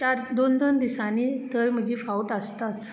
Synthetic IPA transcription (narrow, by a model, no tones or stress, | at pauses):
t͡ɕaɾd̪ond̪ənd̪isaniːt̪əjm̤əd͡ʑifauʈəst̪at͡s